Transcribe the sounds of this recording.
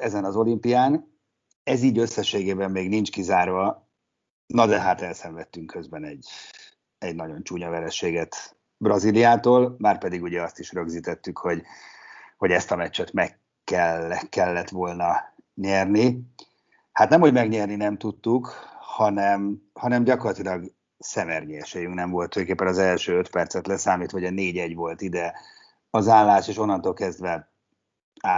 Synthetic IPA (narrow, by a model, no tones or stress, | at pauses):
ɛzɛnɒzo̞limpijaːn | ɛziːɟø̞sːɛʃeːɡeːbɛmːeːɡnint͡ʃkizaːrvɒ | nɒd̪ɛɦaːt̪ɛlsɛɱvɛt̪ːyŋkʰø̞zbɛnɛɟ | ɛɟnɒɟo̞nt͡ʃuːɲɒvɛɾɛʃeːɡɛt̪ | brɒzilijaːt̪oːlmaːrpɛd̪iɡuɟɛɒst̪iʃrø̞ɡziːt̪ɛt̪ːykho̞ɟ | ho̞ɟɛst̪ɒmɛt͡ʃːɛt̪mɛkː | ɛlɛkːɛlːɛt̪ʋo̞lnɒɲɛrni | hat̪nɛmho̞ɟmɛɡɲɛrninɛmt̪ut̪ːukhɒnɛmhɒnɛmɟɒkorlɒt̪ilɒɡ | sɛmɛrɲiɛʃɛjyŋknɛɱvo̞lt̪føːkeːpːɛnɒzɛlʃøːøt̪pɛrt̪sɛt̪lɛsaːmiːt̪ʋɒɦoɒneːɟɛɟʋo̞lt̪id̪ɛ | ɒzaːllaːʃeːʃo̞nːɒnt̪olkɛzd̪ʋɛ | aː